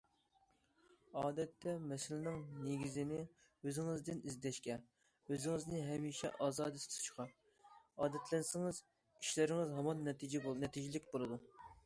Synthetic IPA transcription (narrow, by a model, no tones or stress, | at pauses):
ɑːd̪ɛt̪ʰːɛmɛsɪlɪnɪŋneɡʲizɪnɪ | øzɪŋɪzd̪ɪnizd̪ɛʃkʲɛ | øzɪŋɪznɪɦɛmiːʃɛ̰ʔɑːzɑːd̪ɨst̪ʰt͡ʃʰi̥χʰɑ | ɑːd̪ɛt̪ʰlɛnsɪŋɪz | iʃlæɾɪŋɪzɦɑmɑnːɛt̪ʰid͡ʒɛbonɛt̪ʰid͡ʒilɪkʲbolˠɨd̪u